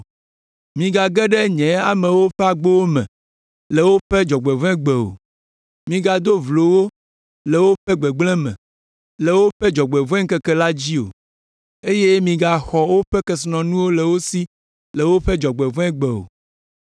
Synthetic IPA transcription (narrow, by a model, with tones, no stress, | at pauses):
mĩ˨ɡa˨ɡɛ˦ɖɛ˦ɲɛ̃˨a˨mɛ̃˨wo˦ɸɛ˦a˨ɡ͡bo˦wo˦mɛ̰̃˨ | lɛ˨wo˦ɸɛ˦d͡ʒɔ˨ɡ͡bɛ˨vɛ̃˦ɡ͡bɛ˨o̰˨ | mĩ˨ɡa˨d̪o˦vlo˨wo˦ | lɛ˨wo˦ɸɛ˦ɡ͡bɛ˨ɡ͡blɛ̃˦mɛ̰̃˨ | lɛ˨wo˦ɸɛ˦d͡ʒɔ˨ɡ͡bɛ˨vɛ̃˦ŋ̩˦kɛ˦kɛ˦la˦d͡ʑi˦o̰˨ | e˦je˦mĩ˨ɡa˨xɔ˨wo˦ɸɛ˦kɛ˦snɔ̃˨nũ˦wo˦lɛ˨wo˦si˦ | lɛ˨wo˦ɸɛ˦d͡ʒɔ˨ɡ͡bɛ˨vɛ̃˦ɡ͡bɛ˨o̰˨